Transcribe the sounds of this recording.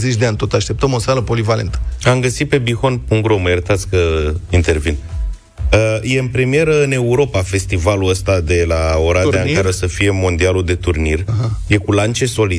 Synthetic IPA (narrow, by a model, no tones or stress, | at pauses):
zet͡ʃʲd̪eanʲt̪o̞t̪aʃt̪e̞p̚t̪əmo̞saləpolivale̞̰nt̪ə̥amɡəsit̪̚pe̞bixo̞npuŋɡɾoməjaɾət̪at̪sʲkəint̪e̞rvin | əje̞ɨnpɾe̞mije̞ɾəɨne̞uɾo̞pafe̞st̪ivaluəst̪ad̪e̞lao̞ɾaeakaɾosəfije̞mo̞nd̪ialud̪e̞t̪urnirɦje̞kulant͡ʃe̞so̞li